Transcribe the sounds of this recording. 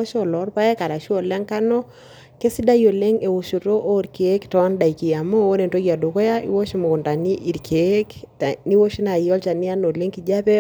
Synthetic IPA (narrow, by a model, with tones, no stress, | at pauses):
o˦ʃɔ˨lɔ˨˦ɾpa˦ɛ˦ka˨ɾa˨ʃu˦o˨lɛ˦ŋka˦nɔ˦ | ke˦si˦da˦jo˨le˦ŋe˨wo˨ʃo˨ɾo˦ʔo˦ɾke˨˦ktɔ˨a˦nda˨i˨ki˨a˨mo˦o˦ne˨nto˦ɡia˨do˨kɔ˦ja˦ḭ˦wo˦ʃi˦mo˨u˨nda˨ni˦ʔi˨ɾkʰe˨˦kni˦wo˦ʃi˦na˨jɔ˦lt͡ʃa˨ni˦a˦no˨le˦ŋki˨d͡ʒa˦pɛ˦